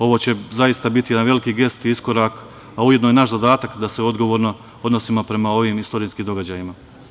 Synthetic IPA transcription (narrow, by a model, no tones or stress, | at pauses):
o̞ʋo̞t͡ɕe̞zajist̪abit̪ije̞d̪anʋe̞likiːɡe̞st̪iisko̞ɾak | aujed̪nojenaʃzad̪aːt̪akd̪aseo̞d̪ɡo̞ʋo̞ːɾno̞ | o̞d̪no̞simopɾe̞mao̞ʋiːmist̪o̞ɾijskiːmd̪o̞ɡad͡ʑaːjima